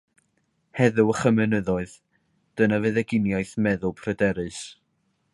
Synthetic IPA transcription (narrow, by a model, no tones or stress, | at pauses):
hɛðʊwəχəmɨnəðɔɨð | d̥ənavɨðɛɡɪnjaɨθmɛðʊlˠpʰrədɛɾɨs